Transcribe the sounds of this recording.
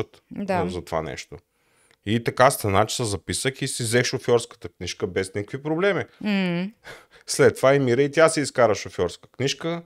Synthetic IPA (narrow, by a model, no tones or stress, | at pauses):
ət̪d̪azɐt̪ova̰nɛ̰ʃt̪o | it̪ɐkast̪ɾɐnat͡ʃɛ̥səzɐpisəkisizɛxʃofjɔɾskə̥t̪əkniʃkəbɛsnikəkvipɾoblɛmim̩h̩ | slɛt̪ːovaimiɾəit̪ʲjasiːskaɾəʃofʲɔɾskə̥kniʃkə